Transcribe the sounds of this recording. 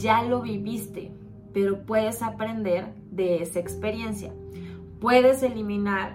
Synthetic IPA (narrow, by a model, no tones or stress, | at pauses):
d͡ʒalo̞βiβist̪e̞̰ | pe̞ɾo̞pwe̞ðe̞sapɾe̞nd̪e̞ɾ | ðe̞esaekspe̞ɾje̞nsja̰ | pwe̞ðe̞se̞limĩnaɾ